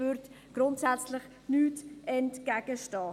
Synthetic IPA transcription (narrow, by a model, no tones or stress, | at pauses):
ʏɾt | ɡ̥ɾʊntsæt͡slɪχ | nyːtɛntkæɡ̥əʃtɑː